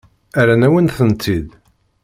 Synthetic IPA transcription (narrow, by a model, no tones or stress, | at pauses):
æɾænæwənθənt̪ʰːið